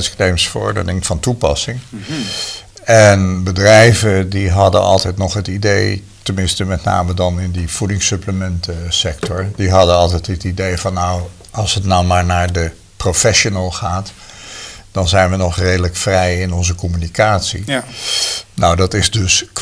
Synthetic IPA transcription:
sknejmsfəɹɔ̰ɹdə̰nɪŋfɑntupɑsɪŋ | ɛnbədrɛjvədiɦɑdə̰nʔɑ̰lˠtɛjtnɔχɦətidej | təmɪnstəmɛtna̰ːmədɑnɪndiv̥udɪŋsɵpləmɛntəsɛk̚tʰɔɹdiɦɑdənɑlˠtɛjtɦətidejvɑnːaw | ɑlˠsɦətnawmaːɹnaːɹdə | profɛʃonəlˠχaːt | d̥ɑnzɛjnʋənɔχrejdələkfrɛjɪnɔnzəkɔmynikaːtsḭ | nawdɑtɪzdɵs

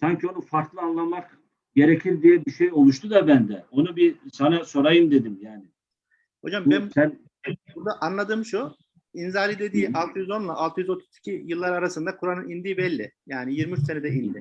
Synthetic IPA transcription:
saɲcʰio̞nufaɾklˠɯanlˠanmak | ɟe̞ɾecʰiɾd̪ijɛbiʃejo̞lˠuʃt̪ʰud̪abænd̪ɛo̞nubisanaso̞ɾajɯnd̪e̞d̪imjaːnɪ | ho̞d͡ʒambbɛnsæn | buɾd̪aʔanlˠad̪ɯːmʃu | inzalʲid̪e̞d̪iːʔalˠt̪ʰɯjyzo̞nlˠaʔalˠt̪ʰɯjyzo̞t̪ʰu̥i̥cʰijɯlˠːaɾaɾasɯnd̪akʰuɾanɯnind̪iːbɛlʲːɪjaːnijiɾmiyt͡ʃsenɛd̪ɛind̪ɪ

